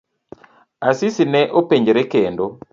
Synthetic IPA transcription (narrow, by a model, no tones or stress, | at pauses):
asisinɛʔopeɲd͡ʒeɾɛkendo